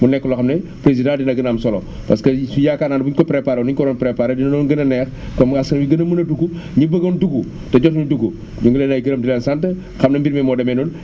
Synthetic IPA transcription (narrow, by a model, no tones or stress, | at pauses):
munɛkːɔloxɐmnepɾezidãdinɐɡɐnamsɔlo | pɐskɐujakaːnaːnbuɲkɔpɾepaːɾoniɲkɔɾɔnpɾepaːɾedinɐnɔnɡənɐnɛːx | kɔmaskɐnwiɡɐnɐmunɐduɡuɲibəɡonduɡu | tɐɟɔtnuduɡu | d͡ʒuŋɡulenajiɡəɾɐmdilansantə | xɐmnɐmbiɾmemɔːdɐmenun